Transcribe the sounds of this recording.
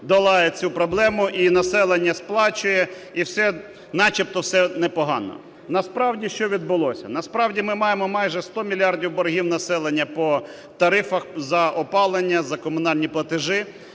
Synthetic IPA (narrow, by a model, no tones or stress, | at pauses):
d̪ɐlˠɑjɛt͡sʲupɾɔblˠɛmʊʔinɐsɛlˠenʲːɐsplˠɑt͡ʃʊjɛ | iwsɛ | nɑt͡ʃip̚t̪ɔwsɛnɛpɔɦɑnɔ̰ | nɐspɾɑwdʲiʃt͡ʃɔʋʲid̪̚bʊlˠɔsʲɐ̰nɐspɾɑwdʲimɪmɑjemɔmɑjʒɛst̪ɔmʲilʲiɑrdʲiwbɔɾɦʲiwnɐsɛlˠenʲːɐpɔ | t̪ɐɾɪfɐxzɐʔɔpɑlˠenʲːɐzɐkɔmʊnɑlʲnʲiplˠɐt̪ɪʒɪ